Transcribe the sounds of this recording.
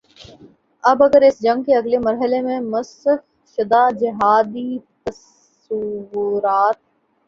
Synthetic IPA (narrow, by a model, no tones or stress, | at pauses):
ɐbɐɡəɾɪsd͡ʒɐ̃ŋɡkeɐɡlemɐɾɦəlemẽmɐsəx | ʃɪd̪aːd͡ʒɪɦaːd̪it̪ɐs | uwɾaːt̪̚